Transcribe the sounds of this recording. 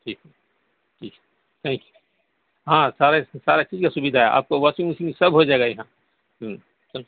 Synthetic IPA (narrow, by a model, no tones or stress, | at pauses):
ʈʰiːkː | ʈʰiːk | t̪ʰɛ̃ːŋkju̥ | ɦãːsaːɾesaːɾet͡ʃiːzkasʊbid̪ʱaɦea̰ːp̚koʋaːsĩŋuːsɪ̃ŋsɐbʱɦod͡ʒaːeɡajɐɦãː | ɦ | s